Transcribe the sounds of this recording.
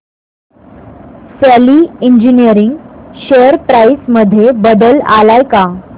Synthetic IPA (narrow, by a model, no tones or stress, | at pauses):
sɛliiɲd͡ʑinijəɾiŋɡɕeəɾpɾaisməd̪ʱjebəd̪əla̰lajka